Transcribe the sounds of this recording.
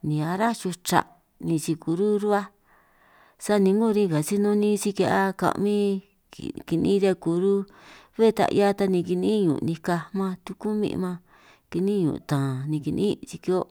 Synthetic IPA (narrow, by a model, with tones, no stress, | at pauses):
nĩ˨˧a˧ɾa˦t͡ʃu˧t͡ʃa̰˧˨ʔ | nĩ˧t͡ʃi˧ku˨ɾu˦ɾu˦a˦ | sa˦nĩ˧ŋɡu˦˧ɾĩ˧ka˨si˦nõ˧nĩ˦t͡ʃi˧ka˧ʔa˦kã̰˧˨mḭ̃˦˨ | ki˧nĩ˦ɾa˧ku˨ɾu˦ | βe˦˧t̪a̰˧ʔja˦˧t̪a˧nĩ˧ki˧nĩ˦ɲṵ̃˨˧nĩ˧ka˧mã˧t̪u˧ku˦mḭ̃˧ʔmã˧ | ki˧nĩ˦ɲṵ̃˨˧˨t̪ãː˨nĩ˧ki˧nḭ̃˦t͡ʃi˧ki˧o˦